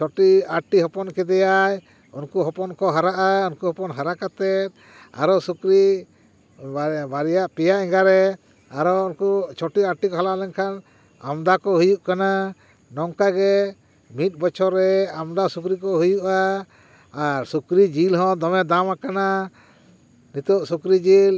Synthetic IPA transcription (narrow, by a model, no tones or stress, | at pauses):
t͡ʃʰɔʈiaɾʈiɦɔpɔnkɛd̪ɛjaj | unkuɦɔpɔnkɔɦaɾaʔaunkuhɔpɔnɦaɾakat̪ɛt̪̚ | a̰ɾɔsukɾi | baɾijaʔpɛjaʔɛŋɡaɾɛ | aɾɔunkut͡ʃʰɔʈiaɾʈikɔɦalaʔlɛŋkʰan | a̰md̪akɔɦujuʔkana | nɔŋkaɡɛ | mit̪̚ˀbɔt͡ʃʰɔɾɛamd̪asukɾikɔɦujuʔaː | ɾsukɾid͡ʒilɦɔ̃d̪ɔmɛd̪amakana | nit̪ɔʔsukɾid͡ʒil